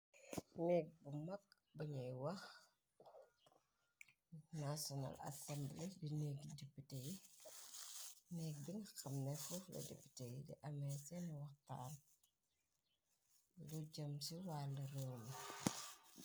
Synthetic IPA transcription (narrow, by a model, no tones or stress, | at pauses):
nɛːk̚bumɐk̚ | bɐɲɐjwɐx | nasɔna̰lɐ̰sɐmblɛdineɡidepiteji | nɛːk̚diŋxɐmnɛfulɐ̰dɛ̰pi̥tejidḭʔɐmɛsɛnɐwɐxta̰ːn | luɟɐmsiwaːlːɐrəwni